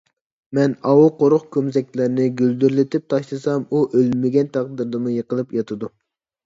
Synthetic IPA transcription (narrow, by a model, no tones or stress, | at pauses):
mɛnɑwuqʰoɾʊχkʲʰømzɛkʲlɪɾnɪɡʲøld̪yɾlɪt̪ʰɪp̚t̪ʰɑʃlˠɨsɑmuʔølmɪɡʲɛnt̪ʰɑq̚d̪ɨɾd̪ɨmujəqʰəlˠɨpjɑt̪ʰɨd̪u